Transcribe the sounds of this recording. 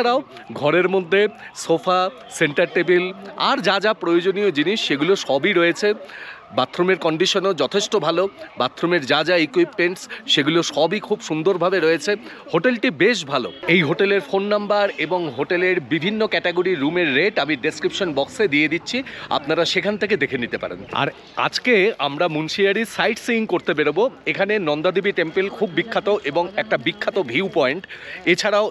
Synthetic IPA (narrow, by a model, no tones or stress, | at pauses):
ɾao | ɡʱɔɾeɾmod̪ʱːesofʰa | seɳʈaɾʈebila̰ɾd͡ʑad͡ʑapɾojod͡ʑonijod͡ʑiniʃːeɡuloʃɔbiɾoet͡ɕʰe | bat̪ʰːɾomeɾkɔɳɖiʃonod͡ʑɔt̪ʰeʃʈobʱalobat̪ʰːɾomeɾd͡ʑad͡ʑaikwipmeɳʈsʃeɡuloʃɔbikʰubʃund̪oɾbʱabeɾoet͡ɕʰe | hoʈelʈibeʃ̬bʱalo̰ejɦoʈeleɾfonːambaɾeboŋɦoʈeleɾbibʱinːokɛʈeɡoɾiɾumeɾːeʈamiɖeskɾipʃonbɔksed̪ied̪itːɕʰia̰pnaɾaʃekʰant̪ʰeked̪ekʰenit̪epa̰ɾḛna̰ɾ | a̰d͡ʑkeamɾamunʃiaɾisajʈsiŋkoɾt̪ep̬eɽoboekʰanenɔnd̪ad̪ibiʈempelkʰubːikʰːat̪oʔeboŋɛk̚ʈabikʰːat̪obʱiupɔeɳʈet͡ɕʰaɾao